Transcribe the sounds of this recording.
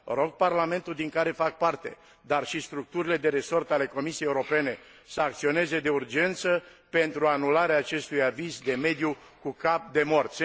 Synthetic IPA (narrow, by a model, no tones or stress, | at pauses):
ɾo̞ɡ̚parlame̞nt̪uld̪iŋkaɾe̞fak̚part̪e̞̰ | d̪arʃist̪ɾuk̚t̪uɾile̞d̪e̞ɾe̞so̞rt̪ale̞ko̞misijejeuɾo̞pe̞ne̞ | səakt̪sio̞ne̞ze̞d̪e̞urd͡ʒe̞nt̪sə | pe̞nt̪ɾuanulaɾeaːt͡ʃe̞st̪ujavizd̪e̞me̞d̪ju | kukap̚d̪e̞mo̞rt̪s